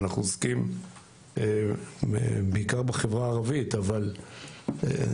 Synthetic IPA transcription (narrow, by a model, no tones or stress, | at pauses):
naχnuoskim | ḛ | beikaʁbeχevʁaːʁavit̪aval | ḛ